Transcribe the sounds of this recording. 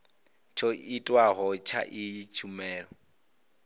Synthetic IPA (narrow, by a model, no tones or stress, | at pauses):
t͡ʃʰɔitʼwaɦɔt͡ʃʰa̰ʔɪit͡ʃʰumɛːɺɔ